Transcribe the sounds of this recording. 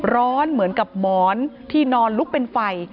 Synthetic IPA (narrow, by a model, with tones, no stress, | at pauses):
ɾɔː˦˥nmɯ˩˦ənka˨˩p̚mɔː˩˦nt̪ʰiː˥˩nɔː˧nlu˦˥k̚pe˧nfa˧j